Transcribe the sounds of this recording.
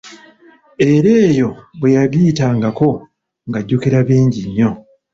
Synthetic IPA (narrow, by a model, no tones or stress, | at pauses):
e̞ɾe̞ːjo̞βwe̞jaɡiːtaːŋɡako̞ | ŋɡaɟːukiɾaβiːɲɟiɲːo̞